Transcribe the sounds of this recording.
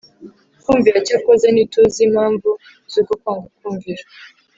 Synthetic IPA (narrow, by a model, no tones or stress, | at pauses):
kuɱviat͡ʃakozenituzimaːɱvu | zukokaŋɡukuŋɡiɾa